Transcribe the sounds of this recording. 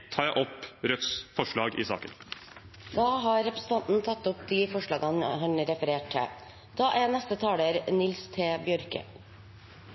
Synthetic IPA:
t̪ʰɑːjæɪʔɔpɾœt̪sfɔʂɭɑːɡḭsɑ̰ːkən | d̪̥ɑːɦɑːɾɾɛpɾəsn̩t̪ʰɑnt̪n̩t̪ʰɑt̪ːɔpd̪ifɔʂɭɑːɡɑnɦɑɳɾɛfəɾeːʈʰə̰ | d̪̥ɑːʔænɛst̪ət̪ʰɑːɽəɾnɪlst̪ʰeːbjœɾkə̰

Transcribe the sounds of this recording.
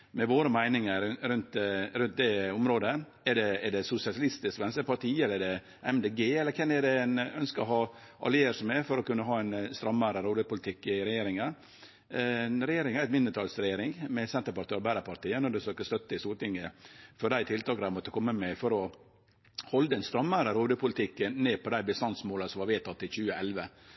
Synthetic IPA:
mɛʋoːɾəmæɪnɪŋəɾɾʉnt̪ɾʉnt̪̚d̪ɛʊmɾoːd̪ə | ɛɖɛɛɖɛsʊsɪɑslɪst̪ɪskʋɛnsəɾpɑɾt̪ʰiːɛləɾɛɖɛ | ɛmd̪eːɡeːɛlːəɾkʰɛnːɛɖɛænœnskəɔhɑː | ʔɑ̰lɪeːəɾʂɔmɛɾfɔɾɔkʉnːəɦɑːɛnst̪ɾɑmːəɾəɾuːləpʊlɪt̪ʰɪkːɪɾɛjeːɾɪŋən | ɾɛjeːɾɪŋæɾɛt̪mɪnːət̪ʰɑːlsɾɛjeːɾɪŋmɛsɛnt̪əpɑɾt̪ʰøːɾbæɾəpɑɾt̪iːənɔɖʉfsøːkəst̪œt̪ːəɪst̪uːt̪ɪŋːəfɔɖæɪt̪ʰɪlt̪ʰɑːkd̪æmɔt̪ːəkʰɔmːəmɛfɔɾɔ | hɔld̪əɛnst̪ɾɑmːəɾəɾoːd̪ʉpʰʊlɪt̪ʰɪkːənneːpʰɔd̪æɪbəst̪ɑnsmoːləsɔmʋɑɾʋeːt̪ʰɑt̪ːɪlçʉːəʔɛlʋə

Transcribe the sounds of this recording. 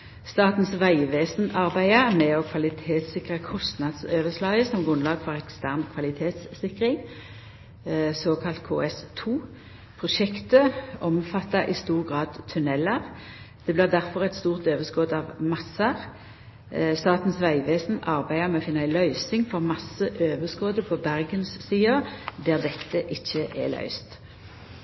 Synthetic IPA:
st̪ɑːt̪n̩sʋæɪʋeːsnɑʁbæɪəʁmɛɔkʰʋɑlɪt̪ʰeːt̪sɪkʁəkʰɔst̪nɑd̪søːʋəslɑːɡəsɔmɡʁʉnlɑːɡfɔʁɛkst̪ʰæʁnkʰʋɑlɪt̪ʰeːt̪sːɪkʁɪŋ | soːkʰɑlt̪kʰoːɛst̪ʰuː | pʰʁʊʃɛkt̪əɔmfɑt̪ːɑʔɪst̪uːʁɡʁɑːd̪t̪ʰʉnɛləʁ | d̪̥ɛːblɪːʁd̪æʁfɔʁɛt̪st̪uːʁt̪øːʋəskɔːd̪ɑʋmɑsɑʁ | st̪ɑːt̪n̩sʋæɪʋeːsn̩ɑʁbæɪəmɛɔfɪnːɑæɪlœʏsɪŋfɔʁmɑsəʔøːʋəskoːd̪əpʰɔbæʁɡənsːiːəd̪æːʁd̪ɛt̪ːəʔɪçːəʔɛ̰lœ̰ʏst̪

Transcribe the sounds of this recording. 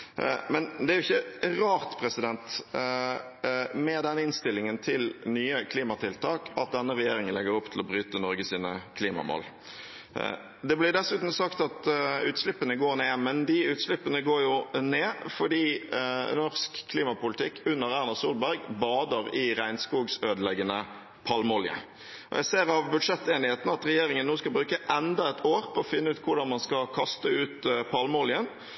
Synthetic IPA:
mɛnd̪ɛæɾʊɪçːəʁɑːʁt̪pʰɾɛsɪd̪ɛnt̪ | mɛd̪ɛnːəɪnst̪ɪlːɪŋənt̪ʰɪlnyːəkʰliːmɑt̪ʰɪlt̪ʰɑːkʰɑt̪̚d̪ɛnːəʁɛjeːɾɪŋənlɛɡəɾʊpt̪ʰlɔbɾyːt̪ənɔɾɡəsiːnə̰kʰliːmɑ̰mo̰ːl | d̪ɛblɪd̪ɛsʉːt̪n̩sɑkt̪ɑt̪ʉːt̪slɪpːənəɡoːɾneːmɛnd̪ɪʉːt̪slɪpːənəɡoːɾjʊneːfɔɖiːnɔʁskʰːliːmɑpʊlɪt̪ʰɪkːʉnːəʁæʁnɑsuːlbæʁɡbɑːd̪əʁɪʁæɪnskuːɡsøːd̪əlɛɡːənə | pʰɑlmɔljə̰ | ʔɔ̰jæ̰ɪseːʁɑʋbʉd̪ʂɛt̪ːeːnɪheːt̪n̩ɑt̪ɾɛjeːɾɪŋənːuːskɑbɾʉːkəʔɛnd̪ɑɛt̪ʰoːʁpʰɔɔfɪnːəʉːt̪kʰʊɖɑnmɑnskɑkʰɑst̪əʉːt̪pʰɑlmɔlɪən

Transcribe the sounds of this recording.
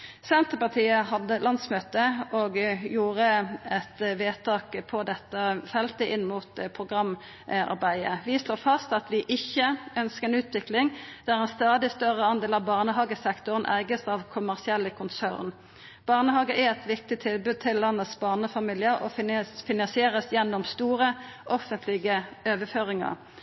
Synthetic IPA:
sɛnt̪əpɑʁt̪ʰiːəɦɑd̪ːəlʔɑnd̪smøːt̪əɔɡjuːʁəɛt̪ʋeːt̪ʰɑːkpʰɔd̪ɛt̪ːəfɛlt̪əʔɪnːmuːt̪pʰʁʊɡʁɑm | ɑ̰ʁbæɪəʋɪʂloːfɑst̪ɑt̪ʋɪʔɪçːəœnskəʁɛnʉːt̪ʰʋɪklɪŋd̪̥æʁɛnst̪ɑːd̪ɪst̪œʁəɑnd̪eːlɑʋbɑːʁnəɦɑːɡəsɛkt̪ʊʁənʔæɪɡəsɑʋkʰʊmæʁsɪɛlːəkʰʊnsæ̰ʁn | b̥ɑːʁnəɦɑːɡəʔæɾɛt̪ʋɪk̚t̪ɪt̪ʰɪlbʉd̪̚t̪ʰɪlːɑnːət̪sbɑːʁnəfɑmiːlɪəɾɔfɪnɑnsɪeːɾəsjɛnːɔmst̪uːɾəʔɔfənt̪lɪɡəøːʋəføːʁɪŋɑ̰ʁ

